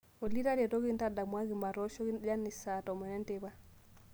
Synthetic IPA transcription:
o˨li˦ɾa˦ɾe˨to˦ɡi˦nta˦da˨mwa˦ɡi˨ma˨ɾo˦ʃo˦ɡi˦d͡ʒa˦ni˨sa˨to˨me˨ne˦nteba˦

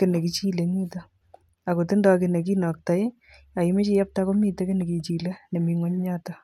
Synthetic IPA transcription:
kɪ˨ne˨ki˦t͡ʃi˦le˨miː˦ta | a˨ko˨tɪ˦ndɔkɪ˨ne˨k̬i˦nɔ˨k̚ta˦j | a˨ime˦t͡ʃi˦ja˦p̚ta˦ko˦mi˦tɐ˦kɪ˦ne˨ki˨t͡ʃi˨le˦ne˨miŋwɔ˦ɲɲa˦ta

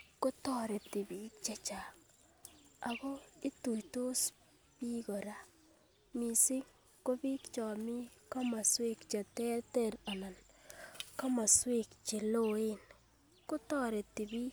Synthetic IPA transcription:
ko˦tɔ˨ɾe˨ti˨bi˦k̚t͡ʃe˨t͡ʃa˨ | a˨bo˦i˦tu˨jto˦s | pi˦kɔ˨ɾa˦ | mi˨sɪ˦ŋ | ko˦bi˦kt͡ʃɔ˨mi˦ka˦ma˨swe˦kt͡ʃe˨tɛ˦te˦ɾa˨na˨n | ka˦ma˨swe˦kt͡ʃe˨lo˦e˦n | ko˦tɔ˦ɾe˨ti˨bi˦

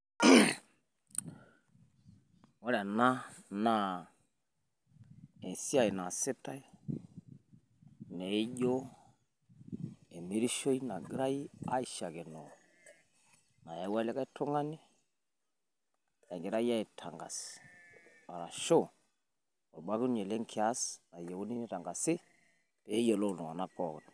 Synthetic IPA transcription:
wɔ˦ɾɛ˨na˦na˦ | e˨si˦a˦˨i˨na˨sɪ˦ta˦i˦ | nɛ˨i˦ʄo˦ | e˨mi˦ɾi˦ʃo˦i˦na˨ɡɾa˦i˦a˦i˨ʃa˨ke˨nɔ˨ | na˨je˦wa˦lɛ˦ka˦i˦tʊ˦ŋa˦ni˦ | ɛ˨ŋɡɪ˨ɾa˦ja˦i˨tʰa˨ŋɡa̰˨s | a˨ɾa˨ʃo˦˨ | o˨ɓa˦ki˦ɲe˨le˦ŋkʰi˨a˦sna˨je˨wu˦ni˦ni˦ta˨ŋɡa˨sɪ˦ | pe˨˦jo˨lo˦˨no˨a˨na˦kɔ˨kn˨

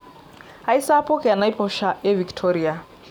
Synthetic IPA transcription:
a˦i˦sa˦pɔ˦kɛ˨a˨na˦i˦pʰɔ˦ʃa˨ʔɛ˦vi˨ktʰɔɾia˨

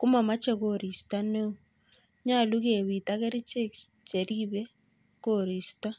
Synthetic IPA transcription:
ku˦ma˨ma˦t͡ʃɛ˨koɾi˨sta˦ne˦ | ɲa˦˨lu˦ɣe˨βi˨ta˦ke˦ɾi˦t͡ʃe˦ | t͡ʃe˨ɾiβe˦ | ko˦ɾi˨sta˦

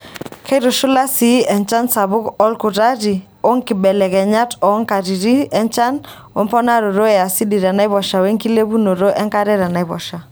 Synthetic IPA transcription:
kʰɛ˦ɾʊ˨ʃʊ˦la˦si˨˦ɛ˨nt͡ʃa˦nsa˨βʊ˦kɔ˦lkʊ˨ta˦ɾi˨ | o˦ŋki˨bɛ˨lɛ˨kɛ˨ɲa˦tɔ˨˦ŋka˨ɾi˨ɾi˦ɛ˦nt͡ʃa˦n | wɛ˦mpɔ˦na˦ɾo˨ɾo˦ɛ˨a˨si˦di˨ɾa˨na˦i˦βɔ˨ʃa˨we˦ŋki˦le˦βu˦no˨ɾo˦ʔɛ˦ŋka˦ɾɛ˦ɾa˨na˨i˦βɔ̰˨ʃa˨

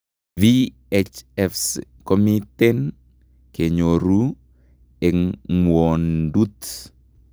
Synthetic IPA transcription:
vi | et͡ʃɛfskomitɛ˦n | ke˨ɲo˨ɾu˦ | e˨ŋwo˨ndu˦t̪

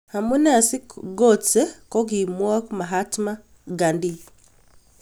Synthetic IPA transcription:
ha˨mu˦nɛ˦a˨si˦kɡɔt͡sɛ˦kɔ˦ɡi˨mwa˦kma˨ɦatma˦ | ɡa˨ndi˦

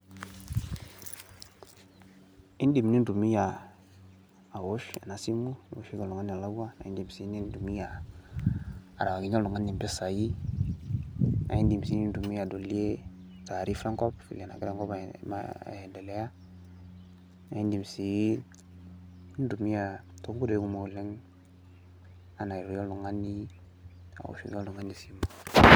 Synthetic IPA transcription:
i˦ndi˨mni˦ndu˨mi˦ja˨ | a˨wo˦ʃa̰˨na˨˦si˦mu˦˨wo̰˨˦ʃi˦ɡa˨lu˨ŋa˦ni˨a˨la˦a˦na̰˨i˦ndi˨msi˨˦ni˦ndu˨mi˦ja˨ | a̰˨ɾa˨wa˨ɡi˨˦ɲa˦lu˨ŋa˦ni˨mbɪ˦sa˨ji˦ | na̰˨i˦ndi˨msi˦ni˦ndu˨mi˦ja˨do˨li˦e˦ta˨ɾi˦fɾa˦ŋkɔ˦pḭ˨le˨na̰˨ɡi˦ɾe˦ŋkɔ˦bma̰˨dɛ˨lɛ˦ja˦ | na˨i˦ndi˨msi˨i˦n | i˦n˦du˨mi˦ja˨to˦ŋɡu˦do˨˦ɡu˦mo˨lɛ˦ŋ | a˨na˨i˨ɾu˨jɔ˦ldu˨ŋa˦ni˦ | a̰˨ṵ˨ʃḭ˦ɡo˦ldu˨ŋa˦ni˨si˦ma

